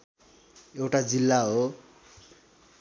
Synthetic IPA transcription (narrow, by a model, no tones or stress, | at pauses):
ewʈad͡zilːaɦo